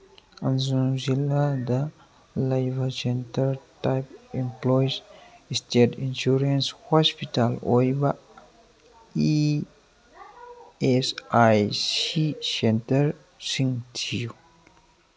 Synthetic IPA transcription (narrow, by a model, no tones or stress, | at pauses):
ɐnzuzilad̪a | lajbʱasentəɾʈajpimplojzisʈeʈinʃuɾenshɔspiʈalojbaʔ | i | esajsisentəɾ | siŋt̪ʰiju